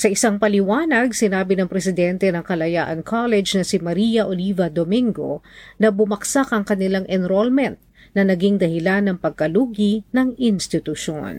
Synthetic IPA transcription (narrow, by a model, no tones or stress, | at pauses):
sɐʔɪsaŋpɐlɪwaːnɐɡ̚sɪnaːbɪnɐŋpɾɛsɪd̪ɛnt̪ɛnɐŋkɐlɐjaːʔɐnkʰalɛd͡ʒnɐsɪmɐɾijɐʔolivɐd̪omiŋɡo̞̰nɐbʊmɐksakʔɐŋkɐnɪlaŋʔɛnɾolmɛnt̪̚ | nɐnɐɡiŋd̪ɐhɪlanːɐŋpɐɡ̚kɐluːɡinɐŋʔɪnst̪ɪt̪ʊʃo̰n